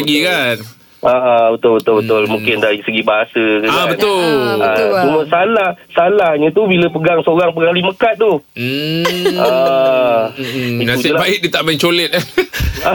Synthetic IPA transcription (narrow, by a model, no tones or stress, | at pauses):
ɡikan | ʔaʔabət̪ʊlbət̪ʊlbət̪ʊlmũŋkɪndaɾisəɡibaɦasəkəabət̪ʊat͡ʃuməsalahsalahɲãt̪ubiləpəɡaŋsəoɾaŋpəɡaŋliməkat̪̚ːu | a | itnaulabaɪʔ̪̚dit̪aʔmɛnt͡ʃolɛt̪̚aa